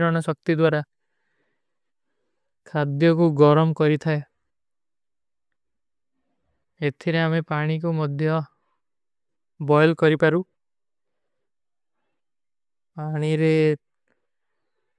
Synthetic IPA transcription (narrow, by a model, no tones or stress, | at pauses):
ɾɔɽ̃ɔsɔk̚t̪id̪waɾa | kʰad̪jɔkuɡɔɾɔmkɔɾit̪ʰae | et̪ʰiɾeamepaɽ̃ik̬umɔd̪ʱjɔ | bɔjlkɔɾipaɾu | paɽ̃iɾe